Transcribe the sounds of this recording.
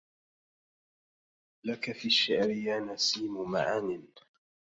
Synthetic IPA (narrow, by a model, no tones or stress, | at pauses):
lakafiːaʃːaʕɾɪjaːnasiːmʊma̰ʕaːnɪn